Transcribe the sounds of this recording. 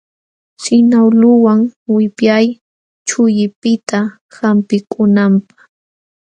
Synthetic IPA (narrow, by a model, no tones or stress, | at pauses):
sɪnawlʊwaŋwɪpjaj | t͡ʃʊjɪpɪt̪a | hampɪkʊnampḁχ